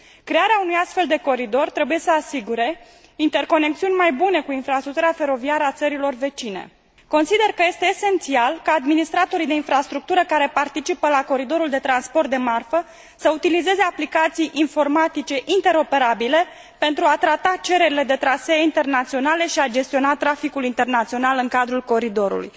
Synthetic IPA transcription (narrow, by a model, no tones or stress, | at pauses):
kɾe̞aɾeaunujast̪fe̞ld̪e̞ko̞ɾid̪o̞rt̪ɾe̞buje̞səasiɡuɾe̞ | int̪e̞rko̞ne̞k̚t̪siunʲmajbune̞kuinfɾast̪ɾuk̚t̪uɾeafe̞ɾo̞viaɾəat̪səɾilo̞rve̞t͡ʃine̞̰ | ko̞nsid̪e̞rkəje̞st̪eːse̞nt̪sialkaːd̪minist̪ɾat̪o̞ɾijd̪e̞infɾast̪ɾuk̚t̪uɾəkaɾe̞part̪it͡ʃipəlako̞ɾid̪o̞ɾuld̪e̞t̪ɾanspo̞rt̪̚d̪e̞marfə | səut̪ilize̞ze̞aplikat̪sijʔinfo̞rmat̪it͡ʃe̞ʔint̪e̞ɾo̞pe̞ɾabile̞ | pe̞nt̪ɾuat̪ɾat̪at͡ʃe̞ɾe̞ɾile̞d̪e̞t̪ɾaseaint̪e̞rnat̪sio̞nale̞ʃiad͡ʒe̞st̪io̞nat̪ɾafikulint̪e̞rnat̪sio̞nalɨŋkad̪ɾulko̞ɾid̪o̞ɾṵlṵj